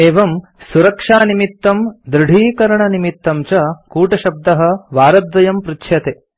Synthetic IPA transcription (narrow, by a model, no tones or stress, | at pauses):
eːʋɐmsuɾɐkʂaːnimit̪ːɐmd̪ɾɨɽ̤ʱiːkɐɾɐɳɐnimit̪ːɐmt͡ʃɐkuːʈɐʃɐb̚d̪ɐɦɐ̆ʋaːɾɐd̪ʋɐjɐmpɾitʃʰjɐt̪e